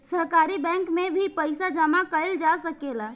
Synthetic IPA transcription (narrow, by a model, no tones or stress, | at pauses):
səɦkaːɾibɛ̃ːŋkmẽbʱipəɪsad͡ʒəmakəəld͡ʒasəkela